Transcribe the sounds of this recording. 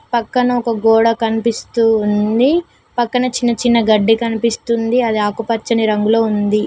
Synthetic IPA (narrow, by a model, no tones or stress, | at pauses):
pɐkːɐnɐɔkɐɡɔːɽɐkɐnipist̪uːnd̪i | pɐkːɐnɐt͡ʃinːɐt͡ʃinːɐɡɐɖːikɐnipist̪und̪iɐd̪iaːkupɐt͡ʃːɐniɾɐŋɡulo̞ːund̪i